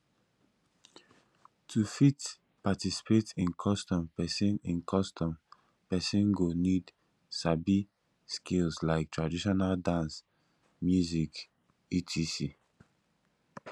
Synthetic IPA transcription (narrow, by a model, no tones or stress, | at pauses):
tʰufit | patisi̥petĩnkʰɔstɔ̃mpɛsĩnĩnkʰɔstɔ̃m | pɛsĩnɡonid | sabi | skʰilslaɪk̚tʰɹadiʃɔnaldãns | mjuzik | itʰisi